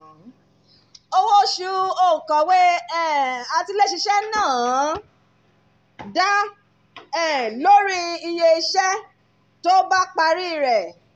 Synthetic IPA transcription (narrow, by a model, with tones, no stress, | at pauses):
o˧wo˦ʃu˧o˦˨kɔ̃˨we˦ɛ˦˨a˧ti˧le˦ʃi˧ʃɛ˦nãː˦˨ | da˦ | ɛ˦˨lo˦ɾi˦i˧je˧i˧ʃɛ˦ | to˦ba˦k͡pa˧ɾi˦˨ɾɛ˨